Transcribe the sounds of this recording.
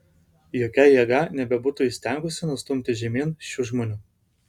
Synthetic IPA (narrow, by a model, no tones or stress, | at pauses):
joːkʲɛjɛɡɐnʲɛbʲɛbʊt̪ʊːɪsʲt̪ʲɛˑŋɡʊsʲɪnʊst̪ʊmʲt̪ʲɪʒʲɛmʲiːnʃʲuːʒmoːnʲuː